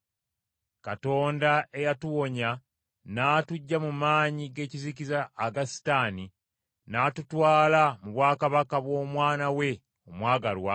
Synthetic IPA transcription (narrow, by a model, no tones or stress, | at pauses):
kato̞ːndae̞jatuwo̞ɲa | naːtuɟːamumaːɲiɡe̞ːcizicizaːɡasi̥taːni | naːtutwaːlamuβwaːkaβakaβwo̞ːmwaːnawe̞ | omwaːɡalwa